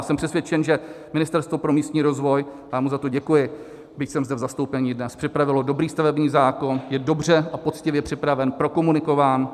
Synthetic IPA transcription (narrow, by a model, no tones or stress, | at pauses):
sɛmpr̥ɛsvjɛt͡ʃɛnʒɛmɪnɪst̪ɛɾst̪vopɾo̞miːst̪ɲiːɾo̞zvo̞jjaːmuzat̪o̞ɟɛkujɪ | bɪcsɛmzdɛvzast̪owpɛɲiːdnɛspr̝̥ɪpɾavɪlo̞do̞bɾiːst̪avɛbɲiːzaːko̞njɛdo̞br̝ɛʔapo̞t͡scɪvjɛpr̥ɪpɾavɛnpɾo̞ko̞munɪko̞vaːn